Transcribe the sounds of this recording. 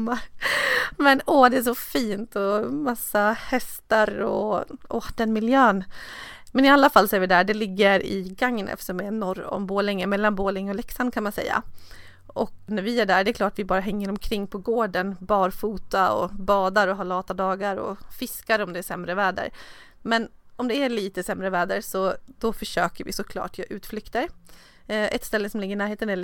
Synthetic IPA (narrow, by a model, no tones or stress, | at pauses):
mːaɾ | mɛnɔːd̪ɛæʂɔfiːnt̪ɔmasːahɛst̪aɾɔɔd̪ɛnmɪljøːn | mɛnɪalːafalːsɔæɾvɪd̪æːɖɛlɪɡːəɾɪ̰ɡaŋːənʔɛ̰ft̪əʂɔmɛnɔɾɔ̰mboːlɪŋːəmɛlːanboːlɪŋːɔlɛksankʰanmansɛ̰jːa̰ | ʔɔknæɾvɪæɖæːɖɛɛklɑːʈvɪbɑːɾaɦɛŋːəɾɔmkʰɾɪŋːpʰɔɡoːɖənbɑːɾfuːt̪aɔ̰bɑːd̪aɾɔɦalɑːt̪ad̪ɑːɡaɾɔ̰fɪskaɾɔmd̪ɛæʂɛmːɾəvɛːd̪ə̰ɾ | mɛnɔmd̪ɛæɭiːt̪əsɛmːɾəvæːd̪əɾsɔd̪̥ɔfœʂøːkəɾvɪ̰sɔkʰlɑ̰ːʈjɑʔʉ̟ːt̪flʏkt̪əɾ | ʔɛt̪st̪ɛlːəsɔmlɪɡəɾɪnæːɾɦeːt̪ənæ